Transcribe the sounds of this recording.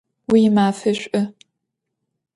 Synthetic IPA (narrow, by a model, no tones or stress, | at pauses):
wijɪmaːfɨɕʷʼɐ